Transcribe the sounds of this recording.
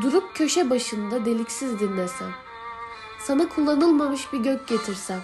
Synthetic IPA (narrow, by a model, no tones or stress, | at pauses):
d̪uɾup̚cʰø̞ʃɛbaʃɯnd̪ad̪e̞lʲicsizd̪inlːʲɛsæ̰n | sanakʰulˠːanɯlˠmamɯʃbiɟøc̚ɟe̞t̪ʰiɾsæn